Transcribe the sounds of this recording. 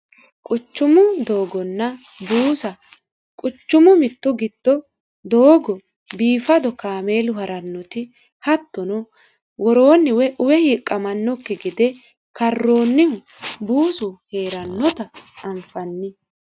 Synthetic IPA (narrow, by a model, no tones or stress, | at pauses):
kʼʊt͡ʃːʊmʊd̪o̞ːɡɔnːɐ | buːsɐ | kʼʊt͡ʃːʊmʊmɪt̪ːʊɡɪd̪̥ːɔ | d̪oːɡɔ | biːfɐd̪ɔkaːme̞ːlʊɦɐɾɐnːɔt̪ɪ | hɐt̪ːɔnɔ | wɔɾo̞ːnːɪwɛʔʊwɛhiːkʼːɐmɐnːɔkːɪɡɪd̪ɛ | kɐrːo̞ːnːɪhʊ | buːsʊhe̞ːɾɐnːɔt̪ɐːɱfɐnːɪ